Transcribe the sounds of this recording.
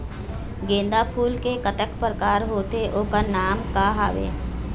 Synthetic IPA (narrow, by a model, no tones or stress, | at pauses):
ɡẽːnd̪apʰuːlkekət̪əkpɾkaːɾɦoːt̪eʔoːkanaːmkaɦaːʋḛː